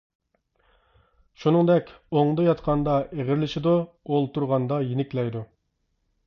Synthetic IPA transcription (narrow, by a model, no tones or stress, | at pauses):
ʃunɨŋd̪ɛkʲoŋd̪ɨjɑt̪qʰɑnd̪ɑʔeʁɪɾɪlɪʃid̪u | olˠt̪uɾʁɑnd̪ɑjenɪkʲlɛjd̪u